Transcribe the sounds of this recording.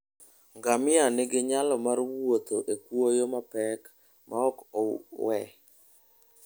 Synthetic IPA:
ŋɡamɪanɪɡɪɲalɔmarwot̪oʔekwojomapɛk | mʔaɔkɔwɛ

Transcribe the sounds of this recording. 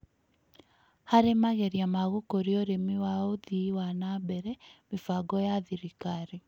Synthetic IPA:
haɾemaɣeɾiamaɣokoɾioɾemiwaoðiwanabɛɾɛmefaɡɔjaðiɾikaɾe

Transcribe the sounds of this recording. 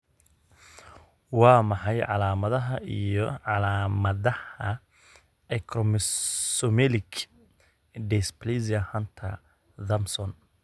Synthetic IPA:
wɑːmɑħɑjʕɑlaːmɐðɐɦɐʔḭjɔʕɑlaːmɐðɐhɐ | ɛkʰrɔmsɔmɛlɪɡ | ɖɛsplizɐhɐnt̪ʰɐ̰ | ðɐmsɔn

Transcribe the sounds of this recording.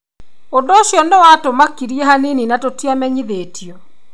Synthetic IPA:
ondooʃjɔnewatomakiɾiɛhanininatotiamɛɲiðeːtʰiɔ

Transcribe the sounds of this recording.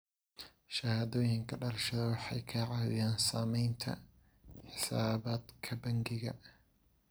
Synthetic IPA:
ʃɐhaːðɔːjɪŋkʰɐɖɐlɐʃɐðɐwɑħɑ̰jkʰɐʕɑːðɪjaːnsaːmɛjnt̪ʰɐ̰ | ħɪsaːβaːd̪kʰɐbɐŋɡɪɣɐ̰

